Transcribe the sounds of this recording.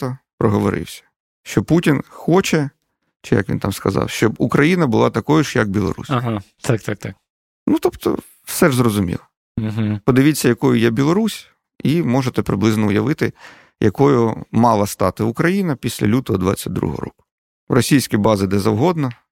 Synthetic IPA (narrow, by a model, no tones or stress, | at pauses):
t̪ɐpɾɔɦɔʋɔɾɪ̰wsʲɐ̥ | ʃt͡ʃɔputʲinxɔt͡ʃɛ | t͡ʃɪjɐ̰kʋʲḭnt̪ɑmskɐzɑ̰wʃt͡ʃɔbukɾɐjinɐbʊlˠɑt̪ɐkɔjʊʃjɐk̚bʲilˠɔ̰ɾṵsʲaɦa | t̪ak̚t̪ak̚t̪ak | nut̪ɔpt̪ɔ̰ | fsɛʒzrɔzʊmʲḭlˠɐ | ɦ̩pɔd̪ɪʋʲit͡sʲːɐjɐkɔjʊjɛbʲilˠɔɾusʲ | imɔʒet̪ɛpɾɪblˠɪznɔʊjɐʋɪt̪ɪ | jʔɐkɔjʊmɑlˠɐst̪ɑt̪ɪʊkɾɐjinɐpʲisʲlʲɐ̰lʲut̪ɔɦɔd̪ʋɑ̰t͡sʲːɐdʲd̪ɾṵɦɔ̰ɾɔ̰kʊ̥ | ʋrɔsʲijsʲkʲijbɑzɪd̪ɛzɐwɦɔd̪nɐ